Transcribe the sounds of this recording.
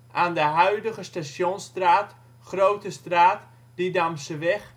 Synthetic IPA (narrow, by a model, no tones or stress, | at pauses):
ʔaːndəɦœɥdəɣəstaʃjonstraːt | χrowtəstraːt | d̥idamsəʋɛχ